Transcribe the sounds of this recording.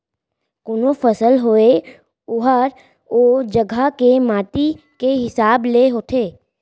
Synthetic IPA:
kʊnofəsəlɦoe | ʊɦəɾ | oːd͡ʒəɡʱakemaːt̪i | keɦɪsaːbleɦot̪ʰeː

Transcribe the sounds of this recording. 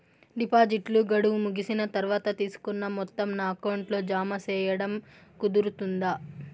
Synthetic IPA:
ɖipaːd͡ʒiʈluɡɐɽuʋumuɡisinɐt̪ɐɾuʋaːt̪ɐt̪iːsu̥kunːɐmɔt̪ːɐmnaːɐkɐwɳʈlo̞ːd͡ʒaːmɐt͡ʃɛːjɐɽɐmkud̪uɾut̪und̪a

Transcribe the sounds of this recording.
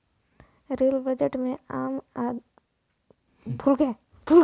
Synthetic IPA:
ɾeːlbəd͡ʒeʈmẽaːma | bʱulke | bʱul

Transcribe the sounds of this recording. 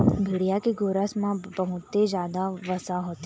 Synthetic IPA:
bʱɪɽijakeɡoːɾəsmãbəɦʊt̪ːed͡ʒjaːd̪aʋɐsaɦoːt̪e

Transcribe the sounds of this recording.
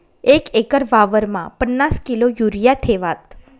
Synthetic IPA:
ekekəɾʋaʋəɾmã̰pənːaskilojuɾijaʈʰeʋat̪̚

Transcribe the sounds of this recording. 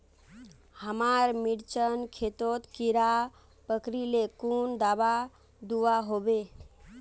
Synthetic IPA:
həmaɾmiɽt͡ʃənkʰet̪ot̪kiɾa | pəkɾilekund̪aba | d̪uaɦobe

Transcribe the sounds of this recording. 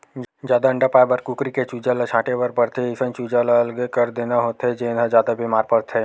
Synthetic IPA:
d͡ʒjaːd̪aə̃ɳɖapaːebəɾkukɾiket͡ʃuːd͡ʒalat͡ʃʰãːʈeʋəɾpɐɾt̪ʰeɪsə̃nt͡ʃuːd͡ʒalaɐlɡekɐɾd̪eːnaɦoːt̪ɦed͡ʒeːnʱad͡ʒjaːd̪abʱimaːɾpəɾt̪ʰɦeː

